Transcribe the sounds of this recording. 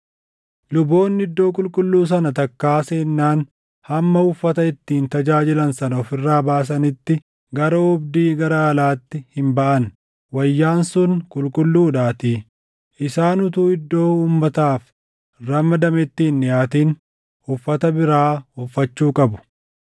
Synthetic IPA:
lʊbo̞ːnːɪɪd̪ːo̞ːk̬ʼʊlkʼʊlːuːs̬ɐnɐt̪ɐkːaːseːnːaːn | hɐmːɐʊfːɐt̪ɐɪt̪ːiːnt̪ɐd͡ʒaːd͡ʒɪlɐnsɐnɐɔfɪrːaːbaːs̬ɐnɪt̪ːɪ | ɡɐɾɐʊbd̪iːɡɐɾɐːlaːt̪ːɪhɪmbɐʔɐn | wɐjːaːnsʊnkʼʊlkʼʊlːuːᶑaːt̪iː | ʔɪsaːnʊt̪uːɪd̪ːo̞ːuːmːɐt̪aːf | rɐmɐd̪ɐmɪt̪ːiːnːɪjaːt̪iːn | ʊfːɐt̪ɐbɪɾaːʊfːɐt͡ʃːuːkʼɐbʊ̥

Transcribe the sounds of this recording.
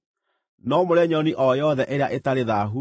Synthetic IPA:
nɔmoɾɛɲɔniʔɔjɔðɛʔeɾeaʔetaɾeðaɦu

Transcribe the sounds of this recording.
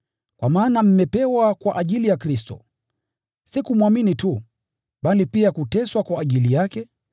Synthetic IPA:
kwamaːnam̩mɛpɛwakwaʔaʄilijakɾistɔ̰ | sikumwaminitu | ɓalipiakutɛswakwaːʄilijakɛ

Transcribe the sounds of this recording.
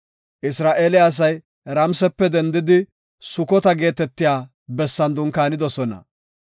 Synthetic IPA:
ʔɪsɾaːʔeːlɪɐs̬ɐj | ɾɐmsɛpːɛd̪ɛnd̪ɪd̪ɪ | sʊkɔt̪ɐɡe̞ːt̪ɛt̪ːɪjaː | bɛsːɐnd̪ʊŋkaːnɪd̪ɔsɔnɐ̰

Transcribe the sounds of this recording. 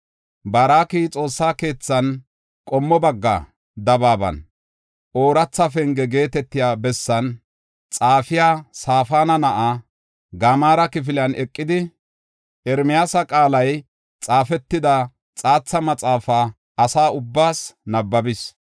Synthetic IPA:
baːɾaːkiːt͡sʼo̞ːsːaːke̞ːt͡sːɐn | kʼɔmːɔbɐɡːa̰ | d̪ɐbaːbɐ̰n | ʔo̞ːɾɐt͡sːɐfɛŋɡɛɡe̞ːt̪ɛt̪ːɪjaːbɛsːɐn | t͡sʼaːfɪjaːsaːfaːnɐnɐʔa | ɡɐmaːɾɐkɪf̬ɪlɐnɛkʼːɪd̪ɪ | ɛɾmɪjaːsɐkʼaːlɐj | t͡sʼaːfɛt̪ːɪd̪ɐ | t͡sʼaːt͡sːɐmɐt͡sʼaːfaː | ɐsaːʊbːaːsnɐbːɐbɪs

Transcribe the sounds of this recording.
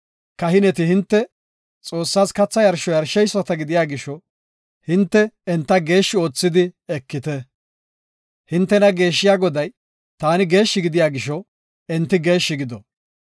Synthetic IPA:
kɐɦɪnɛt̪ɪhɪnt̪ːɛ | t͡sʼo̞ːsːaːskɐt͡sːɐjɐɾʃɔjɐɾʃɛjsɔt̪ɐɡɪd̪ɪjaːɡɪʃɔ | hɪnt̪ːɛɛnt̪ːɐɡe̞ːʃːɪo̞ːt͡sːɪd̪ɪɛkːɪt̪ɛ | hɪnt̪ːɛnɐɡe̞ːʃːɪjaːɡɔd̪ɐj | t̪aːnɪɡe̞ːʃːɪɡɪd̪ɪjaːɡɪʃɔ | ɛnt̪ːɪɡe̞ːʃːɪɡɪd̪ɔ

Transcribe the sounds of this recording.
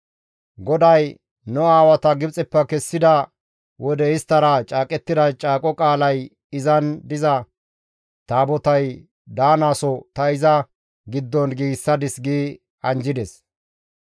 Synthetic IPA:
ɡɔd̪ɐj | nɔaːwɐt̪ɐɡɪbt͡sʼɛpːɐkɛsːɪd̪ɐ | wʔɔd̪ɛɪst̪ːɐɾɐt͡ʃʼaːkʼɛt̪ːɪd̪ɐt͡ʃʼaːkʼɔkʼaːlɐj | ɪzɐnd̪ɪzɐ | t̪aːbɔt̪ɐj | d̪aːnaːsɔt̪ɐɪzɐ | ɡɪd̪ːɔnɡiːɡsːɐd̪ɪsɡiː | ɐnd͡ʒɪd̪ɛs

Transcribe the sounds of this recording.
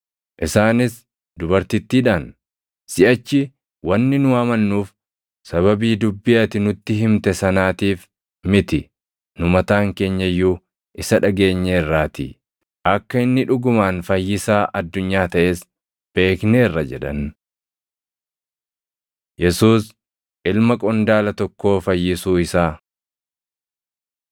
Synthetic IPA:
ʔɪsaːnɪs | d̪ʊbɐɾt̪ɪt̪ːiːᶑaːn | sɪʔɐt͡ʃːɪ | wɐnːɪnʊaːmɐnːuːf | sɐβɐbiːd̪ʊbːɪʔɐt̪ɪnʊt̪ːɪɦɪmt̪ɛsɐnaːt̪iːf | mɪt̪ɪ | nʊmɐt̪aːŋke̞ːɲːɐjːuː | ʔɪsɐᶑɐɡe̞ːɲːerːaːt̪ɪ̰ | ʔɐkːɐɪnːɪᶑʊɡʊmaːnfɐjːɪsaːʔɐd̪ːʊɲːaːt̪ɐʔe̞ːs | b̥e̞ːkne̞ːrːɐd͡ʒɛᶑɐn | jɛsuːs | ʔɪlmɐkʼɔnd̪aːlɐt̪ɔkːo̞ːfɐjːɪsuːɪsaː

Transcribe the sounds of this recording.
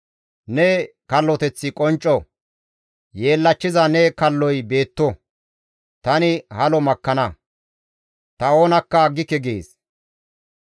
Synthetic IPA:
nɛ | kɐlːɔt̪ɛt͡sːɪkʼɔnt͡ʃʼːɔ | je̞ːlːɐt͡ʃːɪzɐnɛkɐlːɔjbe̞ːt̪ːɔ | t̪ɐnɪhɐlɔmɐkːɐnɐ | t̪ɐo̞ːnɐkːɐɡːɪkːɛɡḛːs

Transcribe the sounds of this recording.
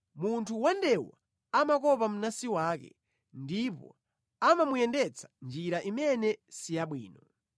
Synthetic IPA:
muntʰuwandɛwa̰ | amakɔpam̩nasiwaːkɛ̰ | ndipɔ̰ | amamujɛndɛt͡sʰḁnd͡ʒiɾaʔimɛnɛsijaɓwḭːnɔ

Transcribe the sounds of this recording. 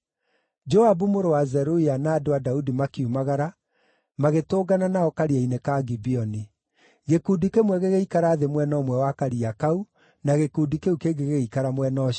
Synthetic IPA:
d͡ʒɔabumoɾowazɛɾoianaːdoadaudimakeumaɣaɾa | maɣetoːɡananaɔkaɾiainekaɡibiɔni | ɣekudikemwɛɣeɣeikaɾaːðemwɛnɔmwɛwakaɾiakau | naɣekuːdikeukeɡeɣeikaɾamwɛnɔ

